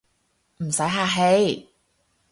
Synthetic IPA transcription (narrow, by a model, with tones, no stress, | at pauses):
m̩˨˩sɐ˨˥jɦaː˧ɦe˨˧˥j